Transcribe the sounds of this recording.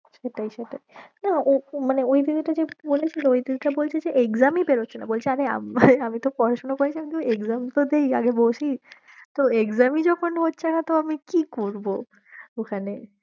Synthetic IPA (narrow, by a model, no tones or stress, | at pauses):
ʃeʈajʃeʈajnaomaneojd̪id̪iʈad͡ʑebolet͡ɕʰiloojd̪id̪ʱiʈabolt͡ɕʰed͡ʑeʔekzamipeɾotːɕʰenabolt͡ɕʰeaɾea̰mamit̪opɔɾaʃonokoɾet͡ɕʰiak̪ueɡzamt̪od̪eja̰ɡeboʃi | t̪oekzamid͡ʑɔkʰonɦotːɕʰenat̪oamikikoɾbo | okʰane